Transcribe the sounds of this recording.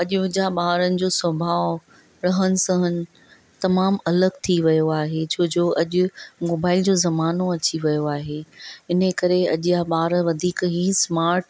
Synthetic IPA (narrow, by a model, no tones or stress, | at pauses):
ɐʄʊʊd͡ʑaɓaːɾənɪ̆d͡ʑoːsɐbʱaː | ɾɐɦənɪ̆sɐ̃ɦənɪ̆ | t̪ɐmaːmɐləɡt̪ʰiʋɐjoaːɦet͡ɕʰoːd͡ʑoːɐʄʊ̆moːbaːɪld͡ʑoːzɐmaːnoɐt͡ɕiʋɐjoaːɦeːɪn̤əkɐɾeɐʄɪjaɓaːɾʋɐd̪ʱiːkɦismaːɾʈ